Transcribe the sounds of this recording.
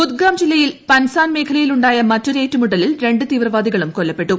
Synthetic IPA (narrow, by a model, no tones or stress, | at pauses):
ut̪̚ɡaːmd͡ʑilːɐjilpɐnsaːnme̞ːkʰɐlɐjiluɳɖaːjɐmɐtːuɾe̞ːtːumuɽɐlilɾe̞ɳɖɨt̪iːʋrɐʋaːd̪iɣɐɭumkolːɐpːe̞ʈːu